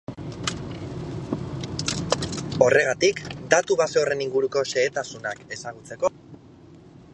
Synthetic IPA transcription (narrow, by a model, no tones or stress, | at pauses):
o̞re̞ɣ̞at̪ikd̪at̪uβaseore̞niŋɡuɾuko̞ʃe̞ːt̪asunake̞saɣ̞ut͡se̞ko̞